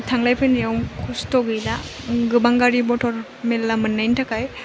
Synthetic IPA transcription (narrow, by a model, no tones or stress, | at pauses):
tʰaŋlajpʰɯnjawmkʰustɔɡɯlaɡɯbaŋɡaɾibɔtʰɔɾ | melːamɯnːajntʰakaj